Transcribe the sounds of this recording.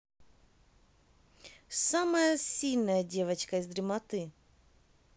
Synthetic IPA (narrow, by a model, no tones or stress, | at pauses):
saməjəsʲilʲnəjədʲe̞vɐt͡ɕkɐɪzd̪ɾʲɪmɐt̪ɨ